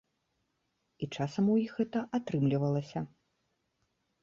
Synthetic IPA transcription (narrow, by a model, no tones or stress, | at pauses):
it͡ʂasɐmujixɣɛt̪ɐʔat̪ɾɨmlʲivɐlˠɐsʲɐ